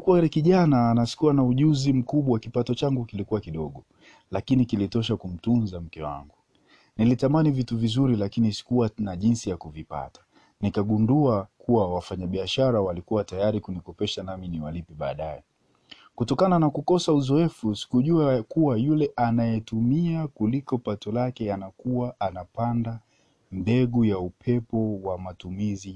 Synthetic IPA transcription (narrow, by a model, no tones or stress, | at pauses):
kuɾɛkiʄanaːnasi̥kuwanauʄuzim̩kuɓwawakipatɔt͡ʃaŋɡukilikuwakiɗɔɠɔ | lakinikilitɔʃ̬akum̩tunzam̩kɛwa̰ŋɡu | nilitamanivituvizuɾilakinisi̥kuwanaʄinsijakuvipa̰tḁ | nikaɠunduakuwawafaɲaɓiaʃaɾawalikuwatajaɾikunikɔpɛʃanaminiwalipɛɓa̰ːɗajɛ | kutɔkananakukɔsauzɔɛfusi̥kuʄuakuwajulɛʔanajɛtumiakulikɔpatɔlakɛanakuwaʔːnapanda | mbɛɠujaupʰɛpɔwamatumizi